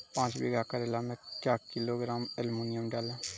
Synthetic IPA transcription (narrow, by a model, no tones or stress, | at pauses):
pãːt͡ʃbḭːɡaːkəɾelaːmekkjaːkɪloːɡɾaːmɛlmuːnɪjəmɖɛːlɛː